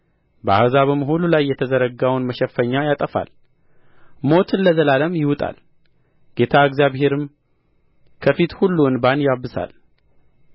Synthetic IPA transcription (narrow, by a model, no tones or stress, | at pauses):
bəa̰hzaβəməɦolulajːɛt̪ʰəzəɾəɡawnməʃɛfːəɲːajat̪ʼəfa̰l | mo̞t̪ɨnːəzəlaləmjɪwt̪ʼa̰l | ɡ̥e̞t̪ʰaɨɡzjaβhe̞ɾɨm | kʰəfit̪hulːuɨnbanjaβɨsa̰l